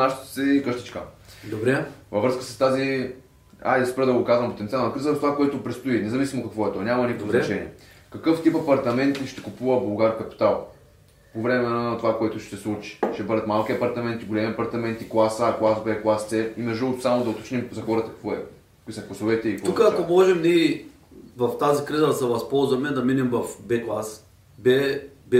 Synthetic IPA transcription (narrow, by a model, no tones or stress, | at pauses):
naʃtt̪sɛikəʃt̪ə̥t͡ʃkə̰d̪obɾɛvɐvɾɤskə̥səst̪azi | a̰d̪spɛɾd̪ɐɡokazvɐmpot̪ɛnt̪ialˠnɐkɾizəɾft̪ovakoɛt̪opɾɛt̪st̪oinɛzɐvisimokɐkvɔɛt̪ɔnʲamɐnikp̪oznɐt͡ʃɛnʲiɛ | kɐkɤft̪ipɐpɐɾt̪ɐmɛnt̪iʃt̪ɛ̥kupuvɐbɐlˠɡaɾkɐpi̥t̪alˠ | povɾɛmɛnət̪ovakoɛt̪ʊʃt̪ɛslˠut͡ʃi̥ʃt̪ɛbɤd̪ɐt̪malˠkiɐpɐɾt̪ɐmɛnt̪iɡolʲɛmiɐpɐɾt̪ɐmɛnt̪iklˠasaːkoasbɛklˠast̪sɛimɐʒəlˠt̪samod̪ɐot̪o̥t͡ʃnimzɐxɔɾɐt̪əkkvɔɛ | kʊisɐklˠɐsovɛt̪ɛiik̪ukəɐkomɔʒɛmniɛ | vɐft̪azikɾizɐd̪ɐsɛvɐspɔlˠzvɐmɛd̪ɐminɛmvɐfbɛklˠas | bɛbɛ